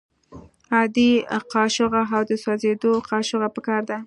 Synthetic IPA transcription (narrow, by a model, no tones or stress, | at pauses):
ɑd̪iqɑʃʊɣaɦawd̪əsɑzed̪oqɑʃʊɣapəkɑɾd̪a